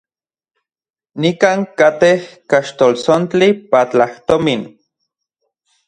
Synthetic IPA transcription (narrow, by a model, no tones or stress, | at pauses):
nikaːŋkat̪ehkaʃt̪olsont͡ɬipat͡ɬaht̪omin